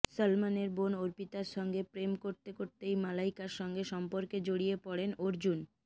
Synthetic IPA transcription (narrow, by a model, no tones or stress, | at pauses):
səlmaneɾbonoɾpit̪aɾʃɔŋɡepɾemkoɾt̪ekoɾt̪ejmalaijkaɾʃɔŋɡeʃɔmpoɾked͡ʑoɽijepɔɽenoɾd͡ʑun